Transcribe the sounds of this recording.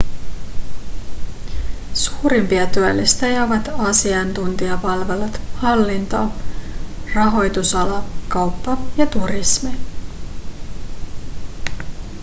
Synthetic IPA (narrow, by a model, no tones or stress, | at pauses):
suːɾimpiɑt̪yælːist̪æjɑʋɑt̪ɑsiɑnt̪unt̪iɑpɑlʋe̞lut̪hɑlːint̪o | rɑɦo̞jt̪usɑlɑkɑwpːɑjɑt̪urismi